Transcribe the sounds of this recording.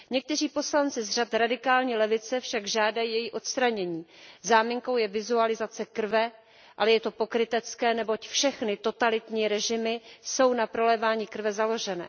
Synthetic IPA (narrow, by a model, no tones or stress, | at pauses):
ɲɛk̚t̪ɛr̝iːpo̞slant͡sɪzr̝at̪ɾadɪkaːlɲiːlɛvɪt͡sɛfʃaɡʒaːdajiːjɛjiʔo̞t̪st̪ɾaɲɛɲiːzaːmiŋko̞wjɛvɪzualɪzat͡sɛkr̩vɛ | ʔalɛjɛt̪o̞po̞kɾɪt̪ɛt͡skɛːnɛbo̞cfʃɛxnɪt̪o̞t̪alɪt̪ɲiːɾɛʒɪmɪso̞wnapɾo̞lɛːvaːɲiːkr̩vɛzalo̞ʒɛnɛ̰ː